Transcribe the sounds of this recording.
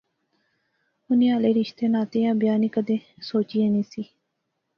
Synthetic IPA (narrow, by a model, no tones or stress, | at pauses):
ʊniːaːleːɾɪʃt̪eːnaːt̪eːãːbjaːniːkəd̪eːsoːt͡ʃiːenĩːsiː